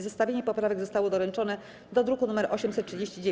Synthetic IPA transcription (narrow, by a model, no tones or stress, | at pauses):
zɛst̪avʲjeɲɛpɔpɾavɛɡzɔst̪awɔd̪ɔɾɛnt͡ʂɔnɛ | d̪ɔd̪ɾukunumɛɾʔɔɕɛmsɛt̪tːt͡ʂːʂɘd͡ʑeɕt͡ɕid͡ʑe